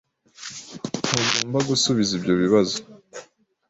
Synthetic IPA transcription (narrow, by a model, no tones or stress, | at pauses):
huɡoːmbaɡusuβizibjo̞βiβazo